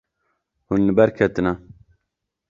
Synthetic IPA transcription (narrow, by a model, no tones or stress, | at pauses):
hunːɨbɛɾkʰɛt̪ɨna